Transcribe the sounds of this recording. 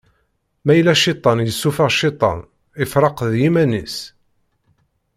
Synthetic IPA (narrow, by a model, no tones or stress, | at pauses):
mæjlæʃit̪ˤːɑnjəsːufɑʁʃit̪ˤɑ̰n | ɪfɾˤɑqðjimænḭs